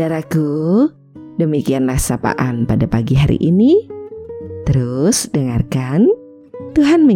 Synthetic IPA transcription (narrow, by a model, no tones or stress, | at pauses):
aɾaku | dəmikianlahsapa̰ʔanpadapaɡiɦaɾḭʔini | t̪əɾʊsdəŋarkan | t̪uɦanmə